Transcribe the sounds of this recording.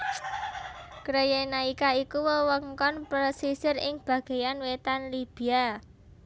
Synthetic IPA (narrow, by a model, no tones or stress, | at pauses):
kɾejenaikaikuwəwəŋkɔnpɾəsisɪɾɪŋb̥ä̤ɡ̥e̤janwet̪anlib̥i̤a